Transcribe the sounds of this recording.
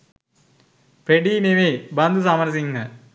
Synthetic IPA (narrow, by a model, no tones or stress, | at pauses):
pɾeɖiːmeʋeːbɐnd̪usɐmɐɾɐs̬iŋɐ